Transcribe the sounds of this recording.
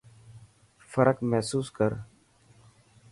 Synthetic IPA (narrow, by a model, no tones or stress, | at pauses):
fəɾəkmɛɦsuːskəɾ